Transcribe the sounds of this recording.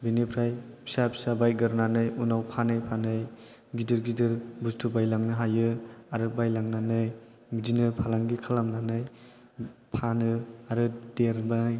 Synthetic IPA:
binipʰɾajbi̥sabsabajɡɯɾnanɯjunawpʰanɯjpʰanɯj | ɡidɯɾɡidɯɾbustʰubajlaŋnɯɦajɯaɾɯbajlaŋnanɯj | midinɯpʰalaŋɡikʰalamnanɯj | pʰanɯaɾɯdeɾbanaj

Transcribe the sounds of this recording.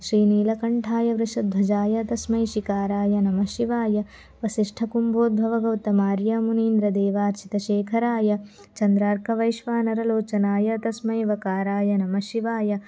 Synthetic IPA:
ʃɾiːniːlɐkɐɳʈʰaːjɐʋɾɐʃɐd̪̚b̪ʱɐd͡ʒaːjɐt̪ɐsmɐjʃikaːɾaːjɐnɐmɐʃiʋaːjɐ | ʋɐsiʂʈʰɐkumboːd̪̚bʱɐʋɐɡɐwt̪ɐmaːɾjɐmuniːnd̪ɾɐd̪eːʋaːɾt͡ʃʰit̪ɐʃeːkʰɐɾaːjɐ | t͡ʃɐnd̪ɾaːɾkʰɐʋɐjʃʋaːnɐɾɐloːt͡ʃɐnaːjɐɐt̪ɐsmɐjʋɐkaːɾaːjɐnɐmɐʃiʋaːjɐ

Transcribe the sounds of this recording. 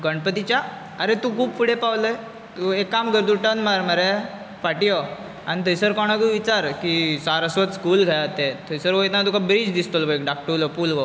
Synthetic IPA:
ɡəɳpət̪it͡ɕja | əɾet̪ukʰuːbfiɽepawləj | t̪uekːamɡəɾd̪uʈənmaɾməɾe | faʈijɔ | añit̪ʰəjsəɾkɔɽ̃aɡuʋit͡ɕaɾkisaɾəsʋət̪skuːlɡʱajat̪et̪ʰəjsəɾʋəjt̪nat̪̬ukabɾid͡ʑd̪ist̪olbəjkɖak̚ʈəlɔpulʋə

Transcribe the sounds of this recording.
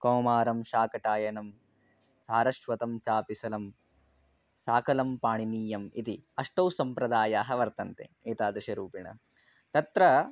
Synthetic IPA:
koːmaːɾɐmʃaːkɐʈaːjɐnɐm | saːɾɐʂʋɐt̪ɐmt͡ʃaːpisɐlɐm | saːkɐlɐmpaːɳiniːjɐmḭt̪iɐʂʈɐwsɐmpɾɐd̪aːjaːɦɐ̆ʋɐɾt̪ɐnt̪ḛ | eːt̪aːd̪ɾɐʃɐɾuːpiɳɐ̰ | t̪ɐt̪ɾɐ

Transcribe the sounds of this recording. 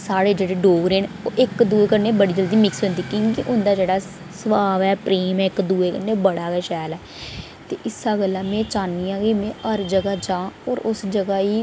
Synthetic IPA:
saːɽeːd͡ʒeːɽeːɖoːɡɾeːnoːʔɪkd̪uːeːkəɾneːbəɽiːd͡ʒəld̪iːmɪksɦʊ̃nd̪iːkĩːkiʔʊnd̪aːd͡ʒeːɽaː | səʋaːʋɛːpɾeːmɛːɪkd̪uːeːkəɾneːbəɽaːɡɛːʃɛːlɛː | t̪eːʔɪsaːɡəlːaːmɛ̃ːt͡ʃaːniːãːɡiːmẽːəɾd͡ʒəɡaːd͡ʒãːɔːɾʊsd͡ʒəɡaːiː

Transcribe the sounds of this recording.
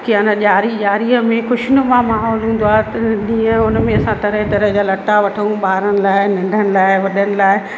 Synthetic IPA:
kianãʄaːɾiʄaːɾiəmẽxʊʃɪnəmãmaːɦɔːlɦũːn̆d̪oaːt̪ɐʄĩːə̃ʊnmẽɐsãt̪ɐɾəɦt̪ɐɾəɦd͡ʑaːlɐʈaʋɐʈʰə̃ũɓaːɾənɪ̆laːɪnɐ̃ɳɖʱənɪ̆laːɪʋɐɗənɪ̆laːɪ

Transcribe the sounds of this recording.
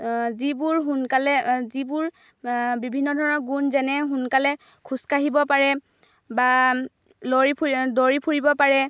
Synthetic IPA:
zibuɹɦunkalɛzibʊɹ | bibʱinːɔdʱɔɹɔnɔɡunzɛnɛɦunkalɛ | kʰuskaɦibɔpaɹɛ | ba | lɔɹipʰdoɹipʰuɹibɔpaɹɛ

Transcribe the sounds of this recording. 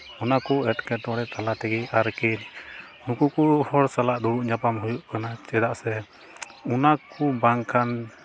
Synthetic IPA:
unakuɛʈkɛʈɔɽɛt̪alat̪ɛɡɛʔaɾkɛl | nukukuhɔɽsalaʔd̪uɽuʔɲapamɦujuʔkanat͡ʃɛd̪aʔsɛ | unakubaŋkʰan

